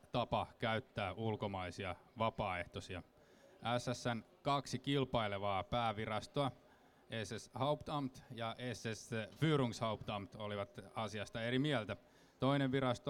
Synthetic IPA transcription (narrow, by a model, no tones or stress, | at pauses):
t̪ɑpɑkæyt̪ːæːʔulkomɑisiɑʋɑpɑːeht̪osiɑ | ʔæsːæsːænkɑksikilpɑileʋɑːpæːʋirɑst̪oɑ | ʔeseshɑupt̪ɑmt̪jɑʔesesfyːɾuŋshɑupt̪ɑmt̪oliʋɑt̪ɑsiɑst̪ɑeɾimiælt̪æ | t̪oineʋʋiɾɑst̪o